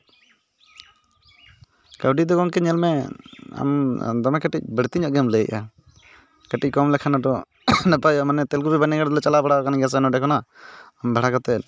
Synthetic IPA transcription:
kawɖid̪ɔkɔŋkɛɲɛlmɛa̰md̪ɔmɛkəʈic̚bəɽt̪iɲɔʔɡɛmlɛjica | kəʈic̚kɔmlɛkʰanaɖɔ | nɛpajɔʔmanɛt̪ɛlkubibaniɡaɽd̪lɛt͡ʃalabaɽakanɡas̬aɛnɔɖɛkʰɔnaambʱaɽakɔt̪ɛl

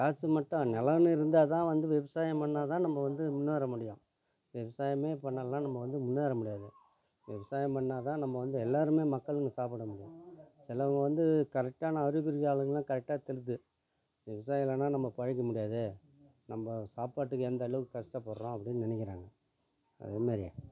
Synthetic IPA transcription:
kaːsɯmɐʈːɐ̃nɛlɐnɯɪɾɯnd̪aːt̪ãːʋɐnd̪ɯʋɪʋɐsaːjɐ̃mpɐɳːaːt̪ãːnɐmːɐʋɐnd̪ɯmʊnːaːɾɐmʊɽɪjõ̰ | ʋɪʋɐsaːjɐmeːpɐɳːaːnãːnɐmːɐʋɐnd̪ɯmʊnːaːɾɐmʊɽɪjaːðɯ | ʋɪʋɐsaːjɐ̃mpɐɳːaːt̪ãːnɐmːɐʋɐnd̪ɯɛlːaːɾɯmeːmɐkːɐɭɯŋɡɐsaːp̬ɐɽɐmʊɽɪjõ̰sɪlɐʋɐŋɡɐʋɐnd̪ɯkɐɾɛk̚ʈaːnɐɐɾɪɣɯɾɣaːɭɯŋɡɐlãːkɐɾɛk̚ʈaːt̪ɛlɯt̪̬ːɯ | ʋɪʋɐsaːjɪlːɐnãːnɐmːɐpɐɻɪk̬ːɐmʊɽɪjaːðɯ | nɐmbɐsaːpaːʈːɯkːɯɛnd̪ɐɐɭʋkɯkɐsʈɐpɐɾɾõɐpːɐɽɪnːnɪnɛk̬ʲːɪɾa̰ːŋɡɐ | ɐ̰ðeːmaːɾɪ̰

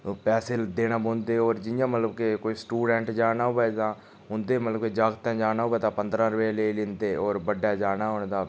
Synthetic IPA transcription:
pɛːseld̪eːnaːboːnd̪eːɔːɾd͡ʒɪjãːmət̪ləbkekoːiːsʈuːɖɛ̃ːɳʈd͡ʒaːnaːɦʊːʋɛːt̪ãː | ʊnd̪eːmət̪ləb̚ked͡ʒaːɡt̪ɛ̃ːd͡ʒaːnaːɦʊːɛːt̪ãːpənd̪ɾãːɾəʋeːleːlɪnt̪eːɔːɾbəɖːaːd͡ʒaːnaːɦoːnd̪aː

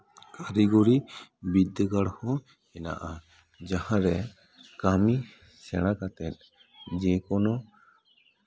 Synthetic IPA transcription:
kaɾɛɡɔɾibid̪əɡaɽhɔ | ɛna̰ʔa | d͡ʒahãɾɛ | kami | sɛɽ̃ãkat̪ɛt̪̚ | d͡ʒɛ̃kɔnɔ

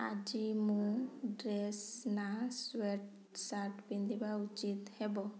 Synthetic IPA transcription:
a̰d͡ʒimuɖɾesnasweʈ | saʈbind̪ibaut͡ʃit̪hɛbɔ

